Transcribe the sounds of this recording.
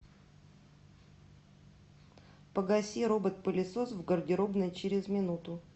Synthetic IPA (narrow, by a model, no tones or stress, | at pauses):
pəɡɐsʲiɾobət̪̚pəlʲɪsosvɡərdʲɪɾobnəjt͡ɕɪɾʲɪzmʲɪnut̪ʊ